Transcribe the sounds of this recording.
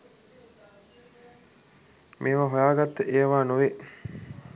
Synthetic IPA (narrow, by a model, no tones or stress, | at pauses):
mʔeːʋaɦojaːɡat̪ːəʔeːʋaːnuʋe